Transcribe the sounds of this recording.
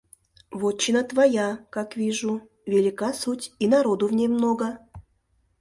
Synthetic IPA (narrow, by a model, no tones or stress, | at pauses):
vot͡ɕːɪnət̪vajakakvʲiʐu | vʲɪlʲɪkasutʲinaɾod̪ʊvnʲejmnoɡə